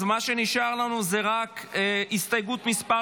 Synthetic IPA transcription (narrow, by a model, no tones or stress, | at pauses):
maʃe̞niʃaʁlanuzeʁakist̪ajɡut̪mispa